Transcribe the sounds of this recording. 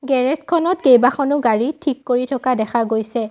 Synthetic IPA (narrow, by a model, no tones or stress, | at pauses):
ɡɛɹɛskʰɔnɔt̚ɡejbaxɔnʊɡaɹitʰikːoɹitʰɔkadɛxʰaɡojsɛ